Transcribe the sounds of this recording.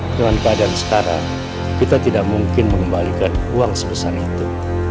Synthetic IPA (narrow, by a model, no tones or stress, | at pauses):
dəŋankəadaːnsə̥kaɾa̰ | kit̪at̪idaʔ̚muŋkɪnməŋəmbalikanuaŋsəbəsarit̪u